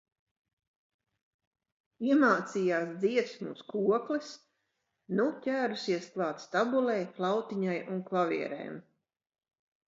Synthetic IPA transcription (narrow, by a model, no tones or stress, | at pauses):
iɛmaːt̪siːjaːsd̪ziɛt̪smuːskuɔklis | nutʲæːɾusiɛsklˠɑːt̪st̪abulɛjflˠɑwt̪iɲajunklˠavʲḭɛɾɛ̰jm